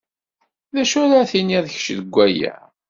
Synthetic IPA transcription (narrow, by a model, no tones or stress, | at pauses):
ðæʃuɾaθiniðç̥ʃðəɡʷːæjæ̰